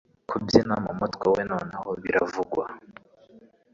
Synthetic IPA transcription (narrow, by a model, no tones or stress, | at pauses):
kʰubjinamumutkwawenoːnahoβiɾavuɡwa